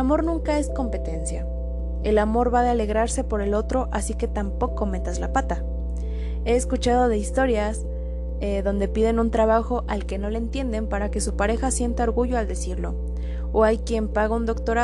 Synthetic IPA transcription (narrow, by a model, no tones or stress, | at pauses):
amo̞ɾnũŋkae̞sko̞mpe̞t̪e̞nsja | e̞lamo̞ɾβaðeale̞ɣɾaɾse̞po̞ɾe̞lo̞t̪ɾo̞ʔasike̞t̪ampo̞ko̞me̞t̪azlapat̪a | e̞ːskut͡ʃað̞o̞ð̞e̞ist̪o̞ɾjas | eðo̞nd̪e̞piðe̞nunt̪ɾaβ̞axo̞ʔalke̞no̞lent̪je̞nd̪e̞mpaɾake̞supaɾe̞xasje̞nt̪ao̞ɾɣuʝo̞ald̪e̞siɾlo̞ː | ajkje̞mpaɣaund̪o̞kt̪o̞ɾa